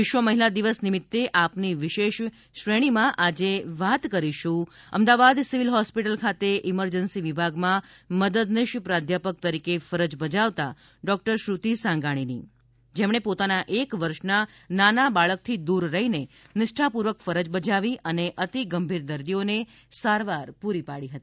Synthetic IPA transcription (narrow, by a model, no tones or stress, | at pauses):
ʋɪʃʋəməɦilad̪iʋəsnɪmɪt̪ːeʔapniʋɪʃeʃ | ʃɾeɽ̃imãʔad͡ʒeʋat̪kəɾiʃũə̰md̪aʋad̪siʋilɦɔspiʈəlkʰat̪eʔɪməɾd͡ʒənsiʋibʱaɡmãməd̪əd̪nɪʃpɾad̪ʱjapək̚t̪əɾikefəɾəd͡ʒbəd͡ʒaʋt̪a | ɖɔk̚ʈəɾʃɾut̪isãŋɡaɽ̃inḭ | d͡ʒemɽ̃epot̪anaʔekʋəɾʃna | nanabaɭək̚t̪ʰid̪uɾːəɦine | nɪʃʈʰapuɾʋəkfəɾəd͡ʒbəd͡ʒaʋiʔəneʔət̪iɡəmbʱiɾd̪əɾd̪ione | saɾʋaɾpuɾipaɽiɦət̪ii